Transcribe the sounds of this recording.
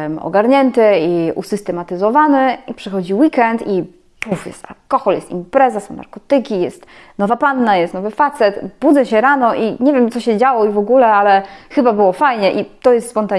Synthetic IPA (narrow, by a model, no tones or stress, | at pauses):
mɔ̰ɡaɾɲɛnt̪ɘiṵsɘst̪ɛmat̪ɘzɔvanɘpʂɘxɔd͡ʑiwikɛnt̪i | pufjɛ̰st̪a̰lkɔxɔljɛst̪ḭmpɾɛzasɔ̃w̃na̰ɾkɔt̪ɘkʲijɛst̪ | nɔvapanːajɛst̪nɔvɘfat̪sɛt̪bud̪zɛɕɛɾanɔʔiɲevʲjɛmt̪sɔɕɛd͡ʑawɔivɔɡulɛalɛxɘbabɘwɔfajɲɛʔit̪ɔjɛst̪spɔnt̪a